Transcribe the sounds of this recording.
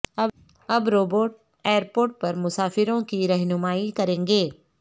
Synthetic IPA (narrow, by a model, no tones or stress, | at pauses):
ɐ | ɐbɾoːboːʈ | eːəɾpoːɾʈ̚pɐɾmʊsaːfɪɾõkiɾɛɦnʊmaːikɐɾẽːŋɡeː